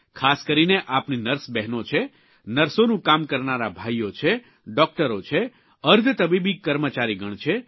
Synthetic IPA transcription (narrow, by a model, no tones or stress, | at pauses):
kʰaskəɾineʔapninəɾsbɛɦnõt͡ʃʰe | nəɾsonũkamkəɾnaɾabʱajot͡ʃʰe | ɖɔk̚ʈəɾot͡ʃʰe | əɾd̪ʱt̪əbibikːəɾmət͡ʃaɾiɡʱəɳ̃t͡ʃʰe